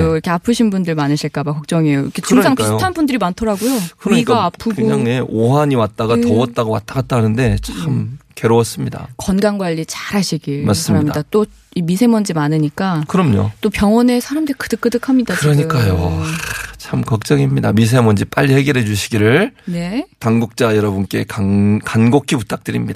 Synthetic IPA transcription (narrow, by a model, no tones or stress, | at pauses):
oiɾʌkʰe̞apʰɯɕʰinbundɯɭmanɯɕʰiɭk͈abakʌk̚t͡ɕ͈ʌŋejo̰kʰeɯsŋiisjtʰanbundɯɾimantʰʌɾaɡojokɯɡaapʰɯɡɯoaŋeʔoɦaɲiwat̚t͈aɡatʌwʌt̚t͈aɡowa̰t͈ʰaɡat̚t͈anɯnde̞t͡ɕʰamke̞ɾoʌs͈ɯmɲida̰kʌnɡaŋɡwaʎːit͡ɕaɾɦaɕʰiɡiɭmas͈mammɲiddat͈o | imisʰe̞mʌnd͡ʑimanɯɲik͈akɯɾʌmɲo̰t͈opjʌŋwʌne̞sʰaɾamdɯɾikɯdɯk͈ɯdɯkʰamɲidakɯɾʌɲik͈ajo | t͡ɕʰamkʌk̚t͡ɕ͈ʌŋimɲidamis̬ʰe̞mʌnd͡ʑip͈aʎːihe̞ɡeɾɦe̞d͡ʑuɕʰiɡiɾɯɭne̞taŋɡuk̚t͡ɕ͈ajʌɾʌbɯnk͈e̞kakanɡokʰiputʰak̚t͈ɯɾimɲid̥a